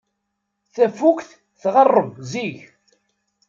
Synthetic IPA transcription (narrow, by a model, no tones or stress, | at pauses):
θæfukθ | θʁərˤːəmziʝ